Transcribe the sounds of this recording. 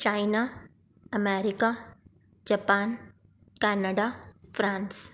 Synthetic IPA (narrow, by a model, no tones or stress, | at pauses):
t͡ʃaːjna | ɐmeɾika | d͡ʒapaːn | kɛːnaɖafɾãːns